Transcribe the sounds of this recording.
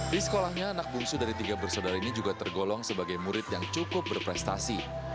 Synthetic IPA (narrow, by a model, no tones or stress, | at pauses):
disə̥kolahɲaːnak̚buŋsudaɾit̪iɡabərsodaɾinid͡ʒuɡat̪ərɡolɔŋsəbaɡajmuɾɪt̪jaŋt͡ʃukʊp̚bərpɾɛst̪asi